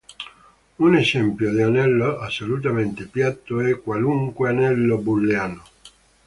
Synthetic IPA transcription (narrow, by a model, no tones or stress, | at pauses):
unesɛmpjod̪ianɛlːoasːolut̪ament̪epjat̪ːoɛkːwaluŋkweanɛlːobulːeaːno